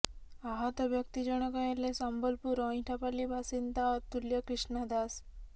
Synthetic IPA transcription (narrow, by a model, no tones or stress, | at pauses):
aɦat̪əʋjək̚t̪id͡ʑəɽ̃ɔkajelːesambəlpuɾɔ̃ĩʈʰapalibʱasint̪at̪uljəkɾiʂɳad̪as